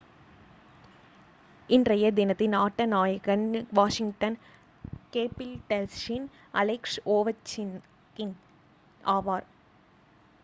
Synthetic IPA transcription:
ɪndrɐjɐd̪ɪnɐt̪ːɪnaːʈːɐnaːjɐɣɐnʋaːʂɪŋʈɐn | keːpːɪlʈɛlʃɪn | ɐ̰lɪksoːʋɐt͡ʃːɪn | kɪn | ʔaːʋaːɾ

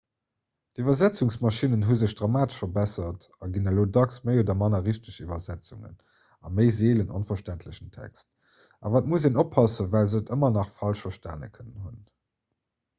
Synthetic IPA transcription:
tivɐzæt͡suŋsmɑʃinənɦuzəɕd̥ʁɑmaːtə̥ʃfɐbæsɐtɑɡinəloːdɑksməɪodɐmɑnɐʁiʃtəʃivɐzæt͡suŋə̰n | ɑməɪzeːlənonfɐʃtæntʰləɕəntʰæ̰kst̚ | ʔɑ̰vaːt̚museːnopʰhɑsəvælzətəmɐnɑχfɑlʃfɐʃtæ̰ːnə̰kʰənənɦun

